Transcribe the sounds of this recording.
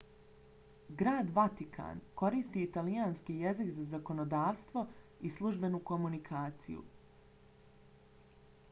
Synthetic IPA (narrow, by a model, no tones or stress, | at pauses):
ɡɾaːd̪ʋat̪ikʰa̰ːnko̞ɾist̪iːt̪alijaːnskije̞zikzazako̞nod̪aːʋst̪ʋo̞islˠuʒbe̞nuko̞munikʰaːt̪sḭjṵ